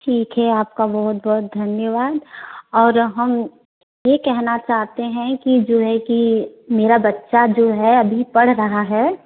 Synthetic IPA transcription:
ʈʰiːkɦɛaːp̚kabɐɦʊt̪̚bɔɦʊt̪̚d̪ʱɐnjəʋaːd̪ɔːɾɦɐm | jekɛɦnat͡ʃaːɦt̪eɦɛ̃kid͡ʒoːɦɛkimeːɾabɐtːʃad͡ʒoːɦɛɐbʱipɐɽ̤ɾɐɦaɦɛː

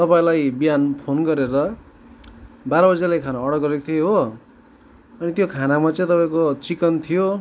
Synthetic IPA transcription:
t̪ʌpaĩlajbijanpʰonɡʌɾeɾʌ | baɾʌbʌd͡zalajkʰanaʌɽʌkɡʌɾekt̪ʰieɦo | ʌnit̪jokʰanamat͡sʌ̃j̃t̪ʌpaĩkot͡sikʌnt̪ʰijo

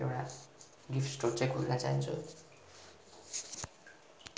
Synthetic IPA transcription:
ḛwɽa | ɡifʰʈsʈort͡sãjkʰulnat͡sa̰ɦint͡sʰṵ

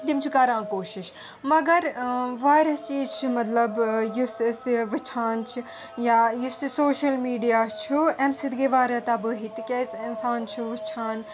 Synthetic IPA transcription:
d̪imt͡ʃʰukɐɾãːkoːʃɪʃ | mɐɡɐɾʋaːɾɐst͡ʃiːzt͡ʃʰimɐt̪lɐbjussʋɨt͡ʃʰaːnt͡ʃʰi | jaːjisisoːʃɐlmiːɖijaːst͡ʃʰuɛmsid̪ɡeːʋaːɾɐt̪abɨɦit̪ikʲeːsɪnsaːnt͡ʃʰuʋɨt͡ʃʰaːn

